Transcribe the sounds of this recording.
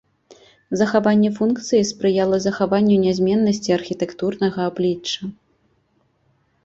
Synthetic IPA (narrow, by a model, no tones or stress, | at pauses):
zɐxavanʲːɛfunkt̪sɨjispɾɨjalˠɐzɐxavanʲːɛnʲazʲmʲɛnːɐsʲt͡sʲiɐrxʲit̪ɛkt̪urnɐɣɐablʲit͡ʂt͡ʂːɐ